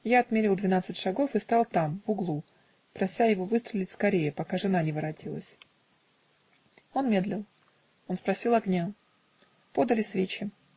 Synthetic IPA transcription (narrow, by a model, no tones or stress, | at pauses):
jaɐt̪mʲeɾʲɪlˠd̪vʲɪnat̪sɨtʲʂɐɡo̞fɨst̪ɑlˠt̪amvʊɡlˠu | pɾɐsʲajɪvo̞vɨst̪ɾʲɪlʲɪtʲskɐɾʲejəpɐkaʐɨnanʲɪvɨɾɐtʲilˠə̰sʲ | o̞nmʲe̞d̪lʲɪlˠ | o̞nspɾɐsʲilˠɐɡnʲa | po̞d̪əlʲɪsvʲet͡ɕɪ